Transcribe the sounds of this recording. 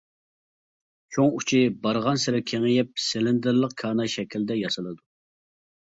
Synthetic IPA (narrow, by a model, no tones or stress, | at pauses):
t͡ʃʰoŋut͡ʃʰibɑɾʁɑnsɪɾɛkʲʰeŋɪjɛp̚sɪlɪnd̪ɪɾlˠəqkʰɑːnɑʃɛkʲild̪ɛjɑsɨlˠɨd̪u